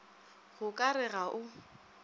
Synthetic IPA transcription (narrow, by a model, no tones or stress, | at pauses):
ɣʊkʼaɾɪɣaʔʊ